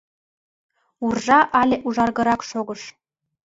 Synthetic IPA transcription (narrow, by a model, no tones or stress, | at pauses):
urʐɑʔɑlʲeʔuʐɑrɣɤ̆ɾɑkʃoɡɤ̆ʃ